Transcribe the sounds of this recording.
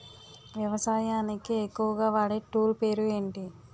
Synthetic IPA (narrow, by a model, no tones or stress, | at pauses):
ʋjɐʋɐsaːjaːnikiekːuʋɐɡaːʋaːɽeːʈuːlpe̞ːɾue̞ːɳʈi